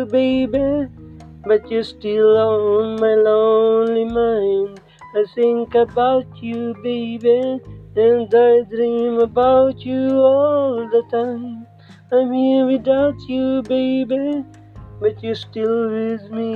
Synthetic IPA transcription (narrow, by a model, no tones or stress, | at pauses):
beɪbi | bʌtjɨsʈɪlɔnmaɪlõʊnlimãɪ̃nd | aɪθɪ̃ŋkəbaʊtʰjubeɪbĩ | nd̪adɾĩməbaʊtjuɔld̪ətʰãɪ̃m | aɪmĩwidaʊtjubeɪbi | bʌtjustɪlwɪzmi